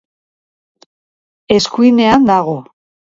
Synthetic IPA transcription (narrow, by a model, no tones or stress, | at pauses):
e̞skuine̞and̪aɣo̞